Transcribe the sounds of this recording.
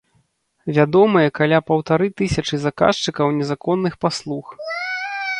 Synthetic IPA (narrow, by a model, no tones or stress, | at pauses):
vʲad̪ɔmɐjɛkalʲapɐwt̪aɾɨt̪ɨsʲɐt͡ʂɨzaka̰ʂt͡ʂɨkɐwnʲɛzakɔnːɨxpaslˠux